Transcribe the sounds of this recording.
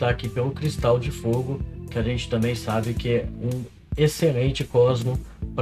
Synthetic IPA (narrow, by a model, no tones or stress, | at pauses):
t̪aːkipelʊkɾist̪awd͡ʒɪfoɡʊkɪaʒẽnt͡ʃɪ̥t̪ɐ̃mbẽj̃sabɪkɪɛũ | eselẽnt͡ʃɪkɔzmʊp